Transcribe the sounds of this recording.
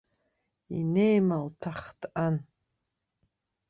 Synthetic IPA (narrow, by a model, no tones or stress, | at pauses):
ḭnejmaltʰaχtʰʼan